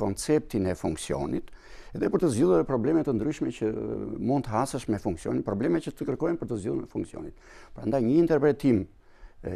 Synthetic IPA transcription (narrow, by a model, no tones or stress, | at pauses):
ɔnt͡sɛp̚t̪inɛfuŋksiɔ̰nit̪ | ɛðɛpəɾt̪əzilðˠuɾpɾɔblɛmɛt̪ənd̪ɾyʃmɛt͡ɕəmund̪̚t̪əasəʃmɛfuŋksiɔ̰ninpɾɔblɛmɛcət̪əkəɾkɔjnpəɾt̪əzd͡ʑilˠuɾmɛfuŋksiɔ̰nit̪̚ | pəɾa̰nd̪ajɲəint̪ɛɾpɾɛt̪im